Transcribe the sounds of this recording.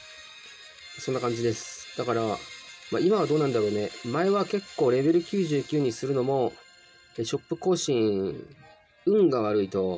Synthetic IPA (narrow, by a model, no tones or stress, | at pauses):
aso̞nːakãɲ̟d͡ʑid̪e̞sɨ̥d̪̥akaɾamaimaβad̪o̞ːnãnd̪aɾo̞ːne̞mae̞βake̞kːo̞ːɾe̞be̞ɾɯ̟kʲɨːʑɨːkʲɨːɲ̟isɨɾɯ̟no̞mo̞ | eɕo̞pːɯ̟ko̞ːɕĩɴ | ɯ̟̃ŋɡaβ̞aɾɯ̟it̪o̞